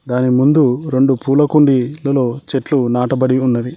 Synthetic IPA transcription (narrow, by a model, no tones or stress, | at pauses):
d̪aːnimund̪uɾe̞ɳɖupuːlɐkuɳɖilɐlo̞ːt͡ʃeʈlunaːʈɐbɐɽiunːɐɾi